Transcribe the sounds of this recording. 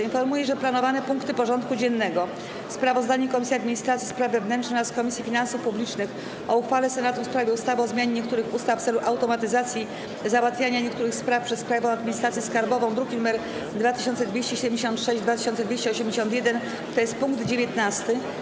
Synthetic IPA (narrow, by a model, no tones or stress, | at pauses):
infɔɾmujɛʐɛplanɔvanɛpuŋkt̪ɘpɔʐɔnt̪kud͡ʑɛnːɛɡɔ | fspɾavɔzd̪aɲɛkɔmʲisʲiad̪mʲiɲist̪ɾat̪sʲispɾavːɛvnɛntt͡ʂʂnɛɾaskɔmʲisʲjifʲinansufpublʲit͡ʂnɘx | ʔɔuxfalɛsɛnat̪ufspɾavʲjɛust̪avɔzmʲaɲeɲɛk̚t̪uɾɘxust̪afːt̪sɛluʔawt̪ɔmat̪ɘzat̪sʲji | zawat̪fʲjaɲaɲɛk̚t̪uɾɘxspɾafpʂɛspɾajvɔ̃wad̪mʲiɲist̪ɾat̪sʲjɛskaɾbɔvɔ̃w̃d̪ɾuɡʲinumɛɾ | d̪vat̪ɘ̥ɕɔnt̪sɛd̪vʲjeɕt͡ɕɛɕɛd̪ɛmd͡ʑeɕ̬ɔ̃nt̪ʂɛɕʑd͡ʑd̪vat̪ɘ̥ɕɔnt̪sɛd̪vʲeɕt͡ɕɛɔɕɛmd͡ʑeɕ̬ɔ̃nt̪jɛd̪ɛn | t̪ɔjɛst̪̚puŋkd̪d͡ʑevʲjɛt̪nast̪ɘ